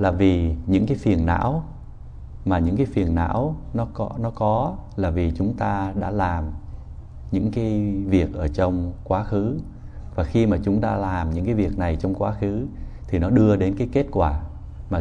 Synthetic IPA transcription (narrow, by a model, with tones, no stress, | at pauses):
laː˨˩vi˨˩ɲɨ̰˧˥ŋkaː˨˦jfi˨˩ənːa̰ː˧˥w | maː˨˩ɲɨ̰˧˥ŋkaː˨˦jfi˨˩ənːa̰ː˧˥wnɔ˨˦kɔ˨˦nɔ˨˦kɔ˨˦laː˨˩vi˨˩t͡ɕʊ˨˦ŋ͡mt̪aː˧ɗa̰ː˧˥laː˨˩m | ɲɨ̰˧˥ŋkaː˨˦jvi˨˩ək̚ʔəː˧˩t͡ɕɔ˧wŋ͡mkwaː˨˦xɨ˨˦ | vaː˨˩xi˧maː˨˩t͡ɕʊ˨˦ŋ͡mt̪a̰ː˧laː˨˩mɲɨ̰˧˥ŋkaː˨˦jvi˨˩ək̚na˨˩jt͡ɕɔ˧wŋ͡mkwaː˨˦xɨ˨˦t̪ʰi˨˩nɔ˨˦ɗɨ˧əɗe˨˦nkaː˨˦jke˦˥t̚kwaː˧˩ | maː˨˩